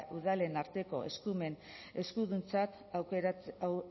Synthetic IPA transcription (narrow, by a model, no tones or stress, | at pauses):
ʔuðale̞naɾt̪e̞ko̞̰e̞̰skume̞n | e̞skuðunt͡sat̪ | a